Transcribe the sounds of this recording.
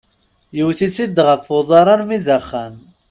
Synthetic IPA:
jəwθit͡sːid̪ːʁəfʊðˤɑɾˤɑɾmiðəχːæn

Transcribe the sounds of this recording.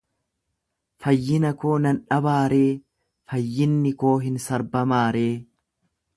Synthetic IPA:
fɐjːɪnɐko̞ːnɐnᶑɐbaːɾe̞ː | fɐjːɪnːɪko̞ːɦɪnsɐɾbɐmaːɾe̞ː

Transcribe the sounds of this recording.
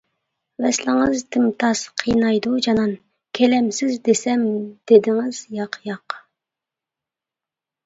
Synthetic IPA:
vɛslɪŋəzt̪ʰɪmt̪ʰɑsqʰijnɑjd̪ud͡ʒɑnɑn | kʲʰɛlɛmsɪzd̪esɛmd̪̥ed̪ɪŋɪzjɑqʰjɑq

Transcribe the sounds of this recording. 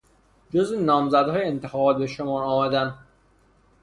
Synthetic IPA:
d͡ʒozenɒːmzæd̪hɒːjeent̪ʰexɒːbɒːt̪̚be̞ʃomɒːɒːmæd̪æn

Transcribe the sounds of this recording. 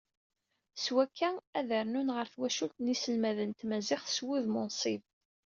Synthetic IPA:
swækʰːææðəɾnunʁəɾθwæʃult̪nisəlmæðənt̪mæzɪχθswuðmʊnsˤiv

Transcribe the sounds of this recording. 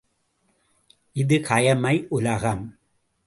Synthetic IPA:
ʔɪðɯkʰɐjɐmɐɪʔʊlɐɣɐm

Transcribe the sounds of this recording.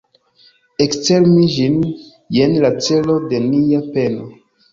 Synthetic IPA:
ekt͡se̞lmid͡ʒin | jenlat͡se̞lo̞de̞niape̞no

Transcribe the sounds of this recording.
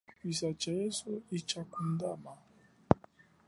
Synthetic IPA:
pisat͡ʃajɛsoit͡ʃakun̩dama

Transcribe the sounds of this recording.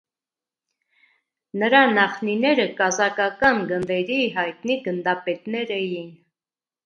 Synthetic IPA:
nəɾɑnɑχninɛɾəkɑzɑkɑkɑnɡənd̪ɛɾiɦɑjt̪niɡənd̪ɑpɛt̪nɛɾɛjin

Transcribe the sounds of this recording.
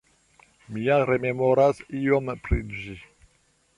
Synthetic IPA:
mijaɾememɔɾasijɔmpʰɾid̪ʒi

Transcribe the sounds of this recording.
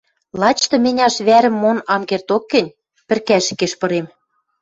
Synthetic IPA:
lɑt͡ɕt̪ɤ̆mʲɘ̆nʲɑʃβæɾɘ̆mːonɑmɡert̪okːɘ̆nʲ | pɘ̆rkæʃɘ̆keʃpɤ̆ɾem

